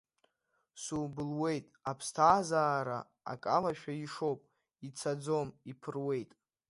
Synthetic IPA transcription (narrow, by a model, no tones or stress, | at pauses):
subɨlwe̞jtʼapʰstʰaːzaːɾa̰ | a̰kʼalaʃᶣaiʂo̞wpʼ | it͡sʰad͡zo̞mipʰɨrwe̞jtʼ